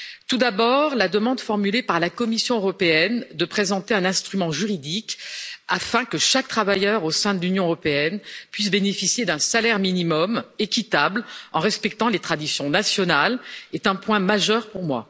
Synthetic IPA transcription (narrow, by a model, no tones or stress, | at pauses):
t̪ud̪abɔʁlad̪əmɑ̃d̪fɔʁmylepaʁlakɔmisjɔ̃øʁɔpeɛnd̪əpχezɑ̃t̪eɛ̃nɛ̃st̪χymɑ̃ʒyʁid̪ikafɛ̃kəʃak̚t̪χavajœʁosɛ̃d̪əlynjɔ̃øʁɔpeɛnpɥis̬benefisjed̪ɛ̃salɛʁminimɔmekʲit̪ablɑ̰̃ʁɛspɛk̚t̪ɑ̃let̪χad̪isjɔ̃nasjɔnalɛt̪ɛ̃pwɛ̃maʒœʁpuʁmwa̰